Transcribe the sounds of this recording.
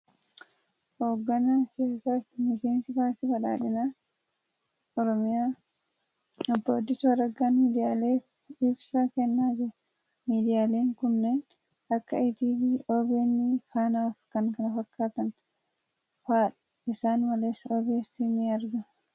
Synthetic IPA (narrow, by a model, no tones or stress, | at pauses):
hoːɡːɐnaːseːsaːfmɪse̞ːnsɪbaːt̪iːfɐᶑa̰ːᶑɪnaː | ɔɾɔmɪjaː | ɔbːoːd̪ːɪsʊwɐɾɐɡːaːmiːd̪ɪjaːle̞ːf | ɪbsɐkɛnːaːd͡ʒɪ | miːd̪ɪjaːle̞ːŋkʊnːe̞ːn | ɐkːɐ̰et̪iːbiʔoːbeːnːɪfaːnaːfkɐŋkɐnɐfɐkːaːt̪ɐn | faːᶑ | ɪsaːnmɐle̞ːsːɐoːbe̞ːsinːɪɐɾɡɐ